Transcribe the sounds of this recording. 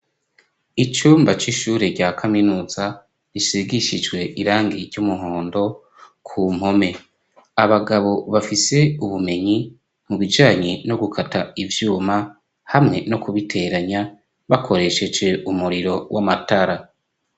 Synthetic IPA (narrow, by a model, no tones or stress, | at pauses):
it͡ʃuːmbat͡ʃiʃuːɾe̞ɾɟaːkʰaminuːza | ɾisiɡiʃid͡ʒɡwe̞ʔiɾaːŋɡiɾɟumuɦo̞ːndo̞ | kʰuːm̥ho̞me̞ | aβaɡaβo̞βafise̞uβume̞ɲi | muβid͡ʒaːɲeno̞ɡukʰatʰaivjuːma | hamŋe̞no̞kuβitʰe̞ɾaɲa | βakʰo̞ɾe̞ʃe̞d͡ʒe̞ʔumuɾiɾo̞wʔamataɾa